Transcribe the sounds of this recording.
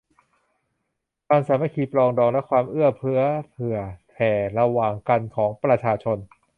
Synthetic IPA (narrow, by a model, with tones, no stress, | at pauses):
kʰwaː˧msaː˩˦ma˧kʰiː˧˩plɔː˧ŋdɔː˧ŋlɛ˦˥kʰwaː˧mʔɯ˥˩ɐpʰɯ˦˥ɐpʰɯ˨˩ɐpʰɛː˨˩ɾa˧waː˨˩ŋka˧nkʰɔː˩˦ŋpɾa˧t͡ɕʰaː˧t͡ɕʰo˧n